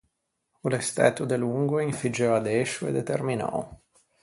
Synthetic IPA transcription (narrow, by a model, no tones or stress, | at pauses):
ulest̪ɛ̰t̪od̪eluŋɡoiɱfid͡ʒɛad̪eʃuḛd̪et̪erminɔ̰